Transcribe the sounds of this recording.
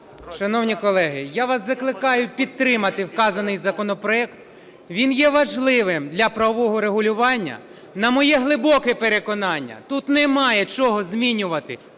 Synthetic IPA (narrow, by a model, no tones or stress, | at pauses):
ʃɐnɔwnʲikɔlˠɛɦɪjaʋɑszɐklˠɪkɑjʊpʲid̪̚t̪ːɾɪmɐt̪ɪwkɑzɐnɪjzɐkɔnɔpɾɔɛkt̪ | ʋʲinjɛʋɐʒlˠɪʋɪmd̪lʲɐpɾɐʋɔʋɔɦɔɾeɦʊlʲʊʋɑnʲːɐ̰ | nɐmɔjɛɦlˠɪbɔkɛpeɾekɔnɑnʲːɐ̰t̪ut̪nɛmɑjɛt͡ʃɔɦɔzmʲinʲʊʋɐt̪ɪ